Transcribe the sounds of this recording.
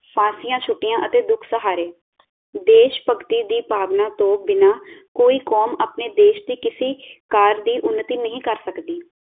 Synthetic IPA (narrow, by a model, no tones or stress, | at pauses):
pʰãːsijãːt͡ʃʰʊʈːɪjãːʔət̪eːd̪ʊkʰsəɦaːɾeː | d̪eːʃpəkt̪iːd̪iːpaːʋnãːt̪õːbɪnaːkoːiːkoːmaːpneːd̪eːʃd̪iːkɪsiːkaːɾd̪iːʔʊnːət̪iːnəɦĩːkəɾsəkd̪iː